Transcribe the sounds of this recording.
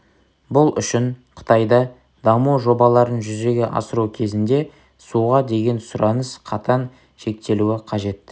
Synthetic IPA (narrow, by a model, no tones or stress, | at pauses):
bʊlˠʏ̰ʃɪɴqʰə̥t̪ʰɑjd̪ɑ | d̪ɑmuʒo̞bɑlˠɑɾənʒʏze̞ɡʲe̞ʔɑ̰səɾukʲʰe̞zɪnd̪e̞ | suʁɑd̪e̞ɡʲe̞nsʊɾʔɑnəsqʰɑt̪ʰɑn | ʃe̞k̚t̪e̞luɪqʰɑʒe̞t̪ːɪ